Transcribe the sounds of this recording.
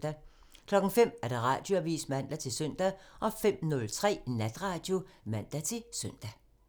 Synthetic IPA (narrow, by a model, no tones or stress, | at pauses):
d̥æ | kʰlɒ̽ɡ̥ŋ̩fem̰æɐd̥ɑ̈ʁɑ̈ːd̥jo̝æʋḭːsmæn̰d̥æt͡sʰe̝lsœn̰d̥æʔɒ̽fem̰nɔ̽lt͡sʰʁɛ̰ːnæd̥ʁɑ̈d̥jo̝mæn̰d̥æt͡sʰe̝lsœn̰d̥æ